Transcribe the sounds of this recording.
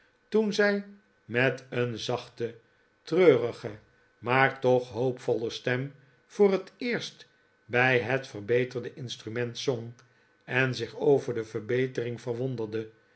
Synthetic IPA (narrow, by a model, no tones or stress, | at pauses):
tunzɛj | mɛtənzɑχtə | trøːrəχə | maːɹtɔχɦowpfɔləstɛm | v̥ʊːrətɪːɹst | bɛjɦətfərbejtəʁdəʔɪnstrymɛntsoŋ | ɛnzɪχowvəɹdəvəʁbejtərɪŋfəʁʋondədə